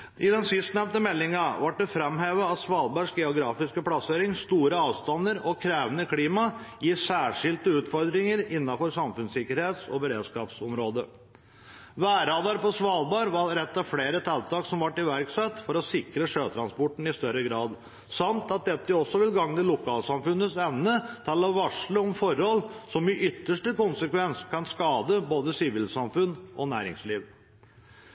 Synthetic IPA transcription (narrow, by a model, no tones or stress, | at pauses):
ʔɪd̪ɛnsɪst̪nɛmnt̪əmɛlːɪŋɑʋɑʈ̚ɖ̪ɛfɾɛmɦeːʋəɑt̪sʋɑːlbɑʂɡɛʊɡɾɑːfɪskəpʰɽɑseːɾɪŋst̪uːɾəɑːʋst̪ɑnːəɾɔkʰɾeːʋənəkʰliːmɑjɪsæːʂɪlt̪əʉːt̪fɔɾd̪ɾɪŋəɾɪnːɑfɔɾsɑmfʉnsɪkːəɾheːt̪sɔ̰bəɾeːd̪skɑːpsɔmɾoːd̪ə | ʋæːɾɑːd̪ɑɾpɔsʋɑːlbɑːɾʋɑɾɛt̪ːɑfleːɾət̪ʰɛlt̪ɑːksɔmʋɑʈːɪʋæɾksɛt̪ːfɔɾɔsɪkɾəʂøːt̪ʰɾɑnspɔʈːn̩ɪst̪œɾəɡɾɑːd̪ | sɑmt̪ɑt̪̚d̪ɛt̪ːəɔsːɔʋɪlɡɑŋnəlʊkʰɑːlsɑmfʉnːəsɛʋnət̪ʰɑːlːɑʋɑʂɭəɔmfɔɾhɔlːsɔmɪʔʏt̪ːəʂʈəkʊnsəkʋɛnskʰɑnskɑːd̪əboːd̪əsɪʋɪlsɑmfʉnʔɔnæːɾɪ̰ŋsliːʋ